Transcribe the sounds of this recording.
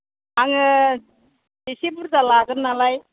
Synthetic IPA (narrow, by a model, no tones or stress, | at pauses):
aŋ | esibuɾd͡zalaɡəɾnalaj